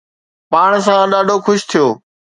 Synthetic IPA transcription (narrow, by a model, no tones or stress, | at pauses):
paːɽ̃s̬ãɗaːɖʱokʰʊʃt̪ʰijoː